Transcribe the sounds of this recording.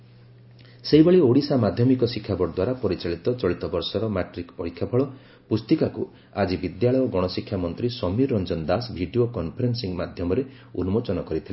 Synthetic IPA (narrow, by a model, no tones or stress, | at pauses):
seɦibeɭioɽisamad̪ʱjɔmikɔsikʰːjabʱɔɽɔd̪waɾapɔɾit͡ʃaɭit̪ɔt͡ʃɔɭit̪ɔbɔɾsɔɾɔmaʈɾikpɔɽikʰːjabʰʱɔɭɔ | pust̪ikaku | ad͡ʒibid̪jaɭɔjɔɡɔɽ̃ɔsikʰːjamɔnt̪ɾisɔmiɾːɔnd͡ʒɔnd̪asbʱiɖiokɔnpʰɔɾensiŋmad̪ʱjɔmɔɾe | unumot͡ʃɔnɔkɔɾit̪ʰile